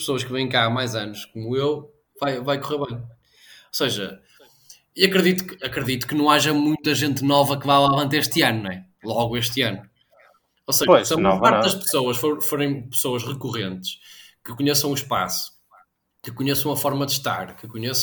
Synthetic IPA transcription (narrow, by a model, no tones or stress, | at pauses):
pɨsoɐʃkɨvɐ̃j̃kamajzɐnuʃkomuew | vajvajkuʁeɾβɐ̃j̃ | oseʒɐ̰ | iɐkɾɨðit̪u̥kɨɐkɾɨðit̪u̥kɨnɐ̃w̃aʒɐmũj̃t̪ɐʒẽnt̪nɔvɐkɨvajlˠavɐ̃nt̪eɾeʃt̪ɨɐnuñɛ | lˠɔɣueʃt̪ɨɐnu | oseʒpoɐʃsɐ̃ɔvpaɾðɐʃpɨ̥sowɐʃfoɾfoɾẽj̃pɨ̥soɐʃʁɨkuʁẽnt̪ɨ̥ʃkɨkuɲesɐ̃w̃uʃpa̰su̥ | kɨkuɲesɐ̃umɐfɔɾmɐðʃt̪a̰ɾkɨkuɲes